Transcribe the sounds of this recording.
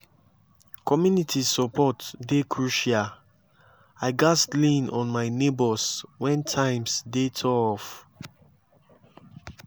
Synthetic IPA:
kʰɔmjunitʰisɔpʰɔtdekʰɹuʃa | aɪɡastlĩnɔ̃nmaɪnebɔswɛ̃ntʰãɪ̃msdetʰɔɔf

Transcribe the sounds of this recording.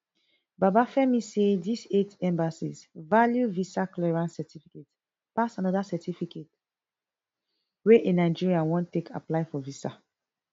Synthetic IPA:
babafɛmisedisetɛ̃mbasisvaljuvisaklɛɹãnsɛtʰifiket | pasanɔdasɛtifiket | weʔenaɪd͡ʒiɹiãnwɔ̃ntːekʰa̰plaɪfɔvisa

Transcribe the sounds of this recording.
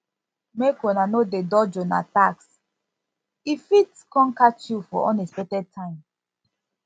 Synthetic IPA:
mekonanodedɔd͡ʒɔna̰taks | ifitkɔ̃nkat͡ʃjufɔ̰ʔɔ̃nesɛtɛtʰãɪ̃m

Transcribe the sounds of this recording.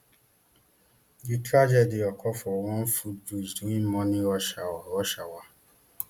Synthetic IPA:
ditɾad͡ʒɛdiɔkʰɔfɔwɔ̃n̩fud͡ʒud͡ʒdũĩmmɔ̃nĩɔʃawaɔʃawa

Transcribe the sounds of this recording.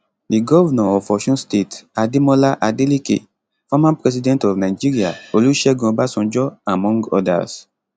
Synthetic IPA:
diɡɔvanãɔffɔʃɔ̃nstetademɔlaʔadelikḛ | famãnpɹɛs̬idɛ̃ntɔvnaɪd͡ʒiɾiaoluʃɛɡɔ̃basɔ̃nd͡ʒɔamɔ̃ŋɡɔ̰da̰s

